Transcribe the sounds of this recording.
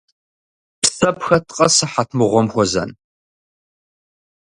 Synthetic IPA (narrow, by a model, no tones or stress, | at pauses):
psɐpʰxɐtʰʼqʼɐsɨħatʰmɨʁʷɔmxʷɔzɐ̰n